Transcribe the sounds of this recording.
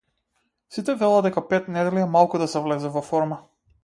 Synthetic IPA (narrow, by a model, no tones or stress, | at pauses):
sit̪ɛvɛlˠad̪ɛkapɛt̪nɛd̪ɛliɛmalˠkud̪asɛvlɛzɛvɔfɔɾma